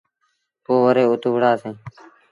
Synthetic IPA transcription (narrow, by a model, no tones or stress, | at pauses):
poːʋəɾeːʊt̪ʊʋɽaːsẽː